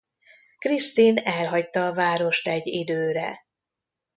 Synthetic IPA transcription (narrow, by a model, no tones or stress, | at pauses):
krist̪inɛlɦɒct̪ɒːvaːɾo̞ʃt̪ɛɟːid̪øːɾɛ̰